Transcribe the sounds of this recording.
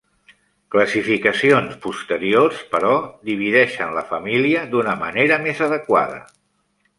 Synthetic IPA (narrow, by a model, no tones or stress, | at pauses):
kləsifikəsionspust̪əɾiorspəɾɔd̪iβ̞iðɛʃənləfəmiliəd̪unəməneɾəmezəðəkwa̰ð̞ə̰